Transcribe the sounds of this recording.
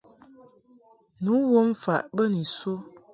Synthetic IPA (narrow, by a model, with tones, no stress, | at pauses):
nu˨˦wo˦m˦fa̰˨ʔbə˦ni˨su˦